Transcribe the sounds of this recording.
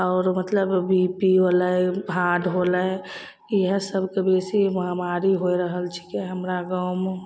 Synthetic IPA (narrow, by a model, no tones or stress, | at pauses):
ɔːɾmət̪ləbːipiʋoləeaɖɦolə | ɦə̃səbʱkebesimɦamaɾiɦoiɾəɦəlt͡ʃʰi̥keɦəmɾaɡam